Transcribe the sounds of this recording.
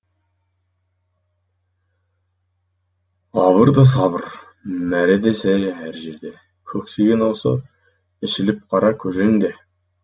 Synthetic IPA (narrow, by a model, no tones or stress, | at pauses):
ɑβəɾd̪əsɑβəɾ | mæɾed̪esæjʒæɦæɾʒeɾd̪e | kʲʰɵkseɡʲenwosə̰ | ɪʃɪlɪp̚qʰɑɾɑkʲʰɵʒeŋd̪e